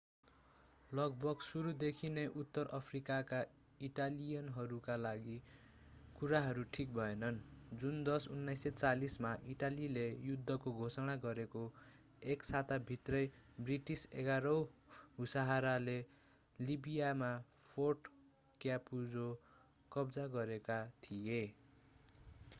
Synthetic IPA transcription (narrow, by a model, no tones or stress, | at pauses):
lʌɡ̚bʌɡsuɾud̪ekʰineʔut̪ːʌrʔʌpʰrikaka | iʈalijʌnɦʌɾukalaɡi | kuɾaɦʌɾuʈʰik̚bʱʌenʌnd͡zund̪ʌsunːʌjsʌt͡salismaʔiʈalilejud̪ʱːʌkoɡʱosʌɽ̃aɡʌɾeko | eksat̪abʱit̪rʌjbriʈisḛɡaɾʌwɦusaɦaɾale | libijamapʰorʈ | kjapud͡zo | kʌbd͡zaɡʌɾekat̪ʰije